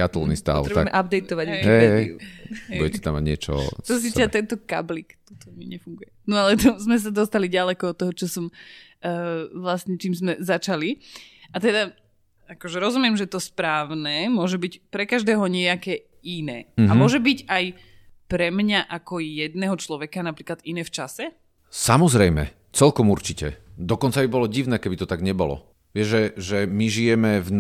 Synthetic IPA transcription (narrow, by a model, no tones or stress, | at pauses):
a̰t̪ulˠnḭst̪a̰ɔw̪ɾɛba̰ɛmɛʔab̚d̪ɛjt̪ɔʋaɟiɛɛḭṵɦɛṵɟɛcɛ̥t̪amːa̰ɟɲɪɛt͡ʃɔ̰t̪ɔs̬it̪at̪ɛnt̪ɔka̰blikt̪ut̪ɔmḭɲɛfuŋɡujɛnɔalɛt̪ɔzmɛs̬ad̪ɔst̪aliɟalɛkɔɔt̪ːɔɦɔt͡ʃɔsɔmː | ʋlastɲɛt͡ʃiːmzmɛzat͡ʃaliʔat̪ɛd̪a | akɔʒɛɾɔzumɪɛmʒɛt̪ɔspɾaːʊnɛːmʊɔʒɛbicpɾɛkaʒd̪ɛːɦɔɲɪɛakɛː | inɛ̰ːamʊɔʒɛbiɟaj | pɾɛmɲaʔakɔjɛd̪nɛːɦɔt͡ʃlɔʋɛkanapɾiːklad̪inɛːft͡ʃasɛ | samɔzɾɛjmɛ̰ | t͡sɛlkɔmuɾt͡ʃicɛ̰d̪ɔkɔnt͡sabibɔlɔɟiʊnɛːkɛbit̪ɔt̪aɡɲɛbɔ̰lɔ̰ | ʋɪɛʒʒɛʒɛmiʒijɛmɛv